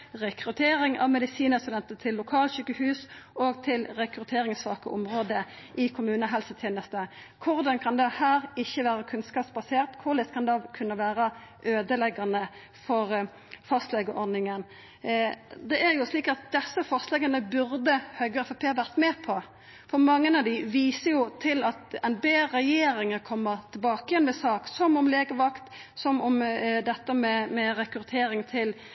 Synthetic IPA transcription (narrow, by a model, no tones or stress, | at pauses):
ʁɛkʁʉt̪ʰeːɾɪŋɑ̰ʋmɛd̪ɪsiːnəst̪ʉd̪ɛnt̪ət̪ʰɪlːʊkʰɑːlʃyːkəhʉːsoːɡt̪ʰɪlʁɛkɾʉt̪ʰeːɾɪŋsʋɑːkə̰ʔʊmʁoːd̪ə | ʔɪkʰʊmʉːnəɦɛlsət̪ʰeːnəst̪ə | kʰʊʁd̪ɑnkʰɑnd̪ɛhæːʁɪçːəʋæːʁəkʰʉnskɑːpsbɑseːʁt̪kʰʊʁlɛskʰɑnd̪ɑkʰʉnːəʋæːɾəʔøːd̪əlɛɡɑnə | fɔʁ | fɑst̪lɛɡəʔɔʁd̪nɪŋən | d̪ɛʔæɾjʊsliːkɑt̪̚d̪ɛsːəfɑst̪lɛɡɑnəbʉɾd̪əhœɡəɛfɑpʰeːʋæʁt̪meːpʰɔ | fɔɾmɑŋːənɑd̪ɪʋiːsəɾjʊt̪ʰɪlɑt̪ɛnbeːɾɛjeːɾɪŋəkʰɔmːəʁt̪ʰɪlbɑːkəjɛnʋɛsɑːksɔmɔmleːɡəʋɑkt̪ | sɔmɔmd̪ɛt̪ːəmɛmɛɾɛkɾʉt̪ʰeːɾɪŋt̪ʰɪl